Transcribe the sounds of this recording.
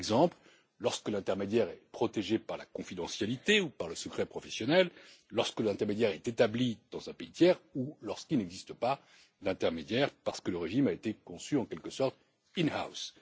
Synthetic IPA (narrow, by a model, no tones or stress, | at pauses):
ɛɡzɑ̃pl | lɔʁskəlɛ̃t̪ɛʁmed̪jɛʁɛpχɔt̪eʒepaʁlakɔ̃fid̪ɑ̃sjalit̪eupaʁləsəkχɛpχɔfɛsjɔnɛlː | ɔʁskəlɛ̃t̪ɛʁmed̪jɛʁɛt̪et̪ablid̪̥ɑ̃zɛ̃peit̪jɛʁulɔʁskilnɛɡzist̪əpa | d̪ɛ̃t̪ɛʁmed̪jɛʁpaʁsə̥kələʁeʒimaet̪ekɔ̃syɑ̃kɛlkəsɔʁt̪ | inha̰ws